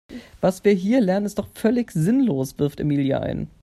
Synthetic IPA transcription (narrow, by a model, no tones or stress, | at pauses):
v̥asv̥iːɐɦiːɐlɛɐnənɪst̚d̥ɔχfœlɪçzɪnloːsv̥ɪɐftḛmiːlja̰ʔa̰ɪn